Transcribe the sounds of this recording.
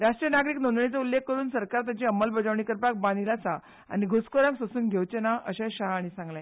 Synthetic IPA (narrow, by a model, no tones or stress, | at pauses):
ɾaʂʈɾijənaɡɾiːknõnd̪ɳit͡saulːekːəɾuːnsəɾkaɾt̪at͡ɕiəməlbəd͡zaʋɳikəɾpak̚bãnilasa | a̰niɡʱoskoɾãŋksosuːnɡʱewt͡ɕenaʔəɕãɕaɦaɽ̃isãŋɡlã